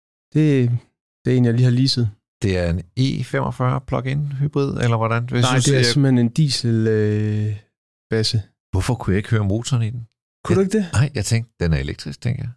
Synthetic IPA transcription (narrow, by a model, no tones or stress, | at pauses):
d̥e̝ | d̥e̝e̝̰ːnjɑɪliːhɑ̈liːsəð̩ˠ | d̥e̝æɐe̝ne̝̰ːfemʔɒfɶɐpʰlɒ̽ɡ̥enɦyb̥ʁið̞̰ˠelɐʋɒɾænesd̥eæsem̩hene̝nd̥ḭːsəlø | b̥æsə | ʋɔfɒkʰujɑe̝ɡ̥høːɐmo̝̰ːt͡sʰɒːnid̥en | kʰud̥ueɡ̥̚d̥e̝nɑɪ̰jɑ̈ɪt͡sʰeŋɡ̥̚d̥enæɐe̝leɡ̥̚d̥ʁisɡ̥̚t͡sʰeŋɡɐjɑ̈ɪ